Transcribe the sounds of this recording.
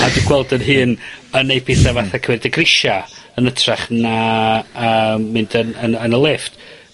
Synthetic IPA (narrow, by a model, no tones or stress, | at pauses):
aduɡwɛlˠdənɦɨːnənejpʰɪθavaθakʰwɛrdəɡrɪʃaənətʰraχna | əːmːɪndənənənəlˠɪft